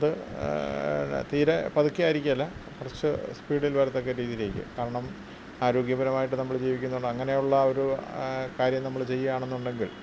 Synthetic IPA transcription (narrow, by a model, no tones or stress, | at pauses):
ɐðɨ | t̪iːɾepɐðukːiaːjiɾikʲːumɐlːɐkurɐt͡ɕːɨspiːɽilʋɐɾɐt̪ːo̞kːeɾiːðile̞ːkʲːɨ̰kaːɾɐɳɐm | aːɾo̞ːɡjɐbɐɾɐmaːjiʈ̬ːɨnɐmːɐɭd͡ʑiːʋikʲːunːuɳɖɨɐŋːɐne̞juɭːɐo̞ɾukaːɾjɐmnɐmːɐɭt͡ɕe̞jːɐaːɳe̞nːuɳɖe̞ŋɡiɭ